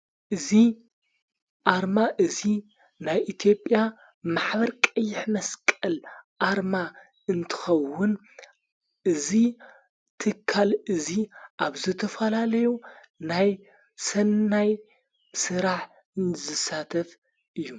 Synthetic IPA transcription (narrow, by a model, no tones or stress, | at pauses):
ʔɨzi | ʔaɾmaʔɨzi | najʔit̪ʰijo̞pʼja | maħβɐɾkʼɐjːɪħmɐskʼɐlʔaɾma | ɨnt̪ʰɨ̥xɐwːʊn | ʔɨzi | t̪ʰɨkʰːalɨziʔaβzɨt̪ʰɐfɐlalɐju | naj | sɐnːaj | sɨɾaħ | ɨnzɐsat̪ʰɐf | ʔɨjːu